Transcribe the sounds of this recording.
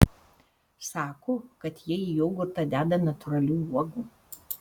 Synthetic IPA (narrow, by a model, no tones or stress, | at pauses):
sɑːkoːkɐt̪jiɛijɛʊɡʊɾt̪ɐˑd̪ʲæːd̪ɐnɐt̪ʊɾɐlʲuːuɔɡuː